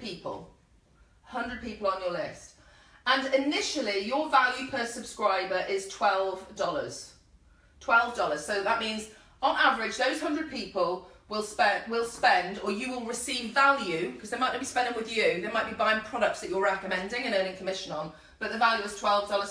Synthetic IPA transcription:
piˑpə̰lˠ | hʌ̃ndɹəd̚piˑpəl̩ˠə̃njəlɪst | ə̃nɪnɪʃəlˠijəvaljʉpʰəsəb̥skɹaɪbəɹʔɪz̥tʰw̥ɛlˠvdɒlˠə̰z̥ | tʰw̥ɛlˠvdɒlˠəz̥soʊðəʔmĩnz | ə̃navəɹɪd͡ʒðəʊz̥hʌ̃ndɹəd̚piˑpəlˠ | wɪlˠspɛwɪlˠspɛ̃ndəjəwɪlˠɹɪsiːvalˠjʉkʰʌzðəɪmaɪʔnəbispɛ̃ndɪ̃ŋwɪðjɨðəmaɪʔ̚b̥ibãɪɪ̃ŋpʰɹ̥ɒɾək̚tsðət͡ʃəɹɛkəmɛ̃ndɪ̃ŋə̃nəːñɪ̃ŋkʰəmɪʃə̃nə̃n | b̥ʌʔðəvaljʉɪz̥tʰw̥ɛlˠvdɒlˠəz̥

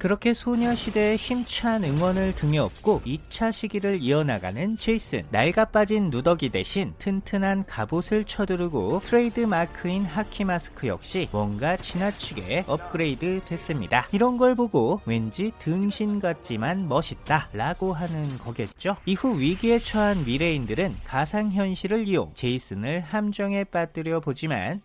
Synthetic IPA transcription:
kɯɾʌkʰe̞sʰoɲʌɕʰide̞ːçimt͡ɕʰanɯŋwʌnɯɭtɯŋeʌp̚k͈oit͡ɕʰaɕʰiɡiɾɯɾiʌnaɡa̰nɯnt͡ɕeis͈ɯ̰nːa̰ɭɡap͈ad͡ʑinːudʌɡide̞̰ɕʰintʰɯntʰɯnɦankabosʰɯɭt͡ɕʰʌdɯɾɯɡotʰɯɾe̞idɯmakʰɯinɦakʰimasʰɯ̥kʰɯjʌ̰k̚ɕ͈imwʌnɡat͡ɕinat͡ɕʰiɡe̞̰ʌp̚k͈ɯɾe̞idɯdwe̞s͈ɯmɲidaiɾʌnɡʌɭboɡowe̞nd͡ʑitɯŋɕʰinɡat̚t͡ɕ͈imanmʌɕʰit̚t͈aɾaɡoɦanɯnkʌɡe̞t̚t͡ɕ͈oihuɥiɡie̞t͡ɕʰʌanwiɾe̞indɯɾɯnkasʰaŋçjʌnɕʰiɾɯɭːio̰ŋt͡ɕe̞is͈ɯnɯɭhamd͡ʑʌŋe̞p͈ad͈ɯɾjʌbod͡ʑima̰n

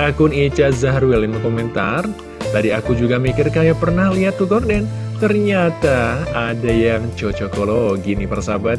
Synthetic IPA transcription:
akʊnit͡ʃazaɦɾuɪlimkomɛnt̪a̰r | t̪adiakud͡ʒuɡamikɪrkajapərnahliɦat̪ːuk̪ɔrdɛn | t̪ərɲat̪aːdajaŋt͡ʃot͡ʃokoloɡinipərsabat̪

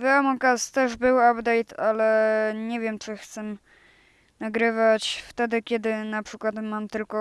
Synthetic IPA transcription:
vɛamɔkast̪ɛʐbɘwabd̪ɛjt̪ʰalɛɲɛvʲjɛmt͡ʂɘxt̪sɛ | naɡɾɘvat͡ɕft̪ɛd̪ɘkʲɛd̪ɘnapʂɘkwat̪mamt̪ɘlkɔ

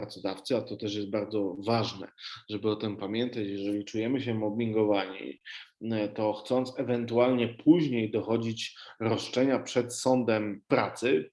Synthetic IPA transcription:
ɾat̪sɔd̪aft̪sɘat̪ɔt̪ɛʂjɛst̪̚baɾd̪zɔvaʐnɛ̰ʐɛbɘɔt̪ɘmpamʲjɛnt̪at͡ɕjɛʐɛlʲit͡ʂujɛmɘɕɛmɔbmʲiŋɡɔvaɲḭ | t̪ɔxt̪sɔnt̪sɛvɛnt̪ualɲɛpʰuʑɲejd̪ɔxɔd͡ʑit͡ɕɾɔʂt͡ʂɛɲapʂɛt̪sɔnd̪ɛmpɾat̪sɘ

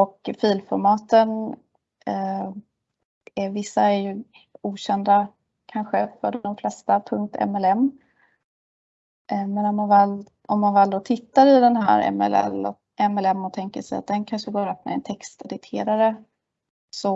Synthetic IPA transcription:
ɔkfiːlfɔɾmɑːt̪ən | ævɪsːaæɾjɵ | uːɕɛnd̪a | kʰanɧəfœɖɔmflɛst̪apʰɵŋk̚t̪ʰɛ̰mɛlɛmː | mɛnɔmːanvɛl | ʔɔmːanvɛːld̪oːt̪ʰɪt̪ːaɾɪd̪ɛnɦæ̰ːɾɛ̰mɛ̰lɛ̰lɔ̰ | ɛmɛlɛmːɔt̪ʰɛŋkəʂɛja̰t̪̚d̪ɛnkʰanʂəɡoːɾɵpːmɛ̰ɛnt̪ʰɛkst̪ɛd̪ɪt̪ʰḛːɾaɾə | sɔ

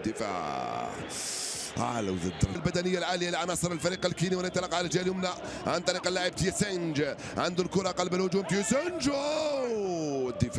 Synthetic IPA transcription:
d̪ːəfa̰ | ʔa̰l̰wzad̪ɾalbæd̪ænɪjːalʕaːlɪjːalʕɑnɑsˤəɾalfæɾiːqalkiːniwənənt̪ːˤɑlɑqʕald͡ʒæljʊmnaʔʕant̪ˤɑɾiːqɑlːaʕəb̚t̪jæsand͡ʒ | ʕand̪ʊlkʊɾˤɑqɑlbəlhʊd͡ʒuːmt̪ijæsænd͡ʒo | d̪ːəf

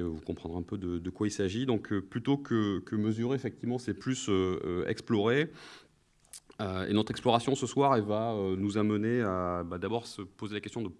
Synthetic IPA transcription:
øvukɔ̃pχɑ̃d̪ʁeɛ̃pød̪əd̪əkwailsaʒid̪ɔ̃kʰəplyt̪okʰəkʰəməzyʁeefɛk̚t̪ivmɑ̃sɛplysøø̰ɛ̰ksplɔʁe | øḛnɔt̪χɛksplɔʁasjɔ̃səswaʁɛvaønuzaməneabad̪abɔʁsəpozelakʲɛst̪jɔ̃d̪ə

